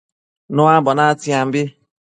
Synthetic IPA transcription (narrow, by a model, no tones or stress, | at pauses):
nʊabɔnatɪam̩bɪ